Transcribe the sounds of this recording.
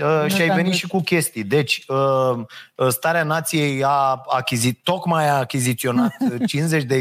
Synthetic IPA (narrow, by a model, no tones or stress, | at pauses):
əʃiajve̞nit̪ʃikukʲe̞st̪ijd̪e̞t͡ʃʲə | st̪aɾeanat̪sije̞jaakʲizio̞kmajaːkʲizit̪sio̞nat̪t͡ʃinze̞t͡ʃʲd̪e